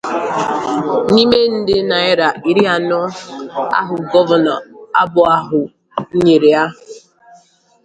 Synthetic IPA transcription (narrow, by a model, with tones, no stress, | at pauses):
ni˦me˦n̩˦dɪ˦na˨ɪ˦ɾa˨i˦ɾi˦a˨nɔ˦a̰˦ɦʊ˨ɡɔ˦va˨nɔ̰˨a˦bʊ˨a˦ɦʊ˨˦ | ɲe˨ɾe˨a˦ʊ˨